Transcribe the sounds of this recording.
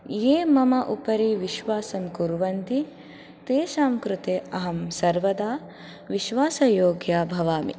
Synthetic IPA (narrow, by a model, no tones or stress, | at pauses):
jeːmɐmɐʔupɐɾiʋiʃʋaːsɐmkuɾʋɐnt̪i | t̪eːʃaːmkɾut̪eːɐɦɐmsɐɾʋɐd̪aː | ʋiʃʋaːsɐjoːɡjaːbʱɐʋaːmḭ